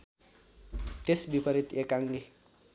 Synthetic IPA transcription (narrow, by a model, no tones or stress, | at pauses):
t̪esbipʌɾit̪ekaŋɡi